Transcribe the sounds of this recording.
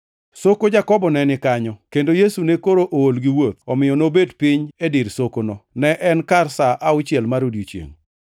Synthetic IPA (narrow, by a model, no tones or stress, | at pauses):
sokod͡ʒakɔbɔnɛnɪkaɲɔkendojesunekoɾoʔoolɡɪwot̪̚ɔmɪjɔnobedpɪɲedɪɾsokonɔnɛʔɛnkarsaʔaʊt͡ʃɪɛlmaɾodjot͡ʃjḛŋ